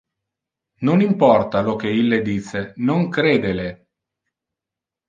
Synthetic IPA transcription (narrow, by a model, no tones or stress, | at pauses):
nonimpɔrt̪alok̟eilːed̪iːsenoŋkɾeːd̪ele